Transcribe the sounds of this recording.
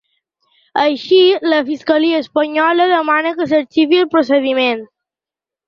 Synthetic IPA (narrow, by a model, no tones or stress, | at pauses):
əjʃiləfiskəliespɐɲjɔlɐðəmaːnɐksəɾt͡ʃiʋilpɾosed̪iment̪̚